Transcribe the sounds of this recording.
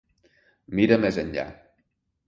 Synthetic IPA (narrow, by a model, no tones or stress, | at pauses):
miɾəmezənʎa̰